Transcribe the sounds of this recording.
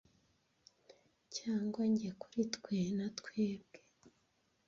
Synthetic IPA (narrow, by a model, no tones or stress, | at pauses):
caːŋɡwaɲɟeku̥ɾitkwenatkweːb̚ɡ̥e̥